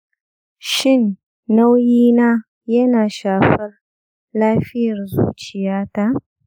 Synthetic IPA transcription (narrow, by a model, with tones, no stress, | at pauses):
ʃɪ˦˨nː | a˦wjiː˦naː˦ | jɐ˦naː˨ʃaː˨ɸɐ˦r | laː˦ɸɪ˦jɐ˨rzṵː˦t͡ʃɪ˨jaː˦ta˦˨ʔ